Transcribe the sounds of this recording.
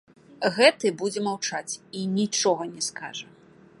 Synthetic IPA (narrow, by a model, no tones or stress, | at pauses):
ɣɛt̪ɨbud͡zʲɛmawt͡ʂat͡sʲinʲit͡ʂɔɣɐnʲɛska̰ʐɐ